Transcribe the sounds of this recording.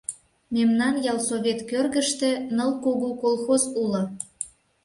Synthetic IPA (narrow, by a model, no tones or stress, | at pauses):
memnɑnjɑlˠsoβʲet̪kørɣəʃt̪ĕnəlkoɣokolˠxozulə̆